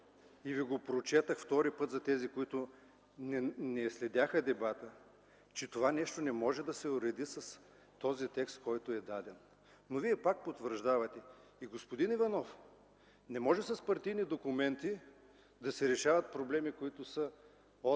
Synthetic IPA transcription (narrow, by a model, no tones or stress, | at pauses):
iviɡopɾot͡ʃɛt̪əxft̪ɔɾipɤt̪zɐt̪ɛzikoit̪ʊ | nɛslɛd̪ʲaxəd̪ɛbat̪ə | t͡ʃɛt̪ovanɛʃt̪onɛmɔʒɛd̪ɐsɛʊɾɛd̪isɐs | t̪ɔzit̪ɛkst̪kɔjt̪ʊɛd̪ad̪ɛn | noviɛpak̚pot̪vəɾʒd̪avɐt̪ɛ | iɡospod̪inivɐnɔf | nɛmɔʒɛsɐspɐɾt̪ijnid̪okʊmɛnt̪i | d̪ɐsɛɾɛʃavɐt̪̚pɾoblɛmikoit̪ʊsə | o